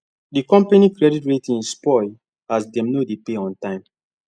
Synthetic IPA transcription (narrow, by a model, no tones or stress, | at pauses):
dikɔ̃mpenikɾɛditɹetĩnspɔj | asdɛ̃mnodepeɔ̃ntãɪ̃m